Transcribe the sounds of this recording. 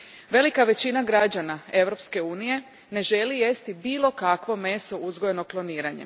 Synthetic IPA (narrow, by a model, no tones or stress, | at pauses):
ʋe̞likaʋe̞t͡ɕinaɡɾad͡ʑanae̞ʋɾo̞pske̞uːnije̞ | ne̞ʒe̞lije̞st̪ibiːlˠo̞kakʋo̞me̞soʔuzɡoje̞noplˠo̞niːɾaɲḛ